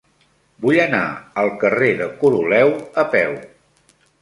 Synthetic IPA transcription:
bujəna̰əlˠkəreðəkuɾulɛwəpɛw

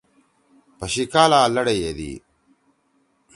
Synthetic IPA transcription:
pɐɕikaːlaːlɐɽejed̪ḭ

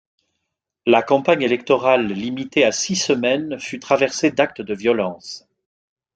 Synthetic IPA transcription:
lakɑ̃paɲelɛkt̪ɔʁalːimit̪easisəmɛnfyt̪χavɛʁsed̪ak̚t̪əd̪əvjɔlɑ̃s

